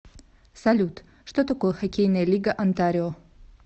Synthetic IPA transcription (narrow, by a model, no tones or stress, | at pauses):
sɐlʲut̪ | ʂt̪ot̪ɐkojəxɐkʲejnɐjəlʲiɡəʔɐnt̪aɾʲɪo